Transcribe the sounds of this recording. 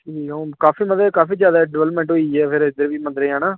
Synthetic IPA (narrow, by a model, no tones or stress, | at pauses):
ʈʰiːkaːfiːmənd̪ɾeːkaːfiːd͡ʒjaːd̪aːɖɪʋːləpmẽːɳʈoːiɛːpʰɪɾɪd̪əɾʋiːmə̃nd̪ɾeːaːnaː